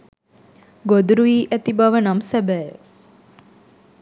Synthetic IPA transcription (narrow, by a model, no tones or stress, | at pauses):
ɡod̪ɾuiːʔɛt̪ibɐʋənɐmsɛbɛː